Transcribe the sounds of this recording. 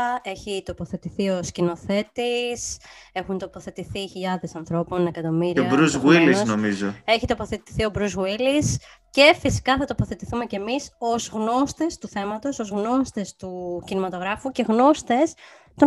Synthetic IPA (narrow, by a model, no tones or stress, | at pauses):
e̞çit̪o̞po̞θe̞t̪iθio̞scino̞θe̞t̪ise̞xunt̪o̞po̞θe̞t̪iθiçiʎɐðe̞sɐnθɾo̞po̞nekɐt̪o̞miɾioɐbɾuzwilisnomizoe̞çit̪o̞po̞θet̪i̥θio̞bɾuzɣwilis | ce̞fisi̥kɐθɐt̪o̞po̞θe̞t̪iθume̞ce̞miso̞zɣno̞st̪e̞st̪uθe̞mɐt̪o̞so̞zɣno̞st̪e̞st̪ucinimɐt̪o̞ɣɾɐfuce̞ɣno̞st̪e̞s | t̪o